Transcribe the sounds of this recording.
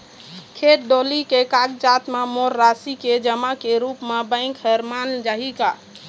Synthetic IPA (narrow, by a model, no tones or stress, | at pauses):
kʰeʈ̚ɖolikekaɡd͡ʒat̪memoɾːasiked͡ʒəmakeɾupmebə̃ɪ̃ŋkɦəɾmand͡ʒaɦika